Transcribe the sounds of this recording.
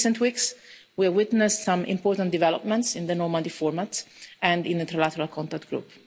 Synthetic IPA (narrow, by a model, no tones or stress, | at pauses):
sɛ̃nt̪wiks | wiwɪt̪nɛstsãmɪ̰̃mpɔːɾt̪ãnd̪ivɛlɔpmɛ̃ntsɪ̃nd̪ənɔɹmãd̪ifɔɹmat̪sɛ̃ndɪ̃nd̪ət̪ɾalat̪əɾalkʰɔ̃nt̪ak̚t̪ɡ̥ɾṵp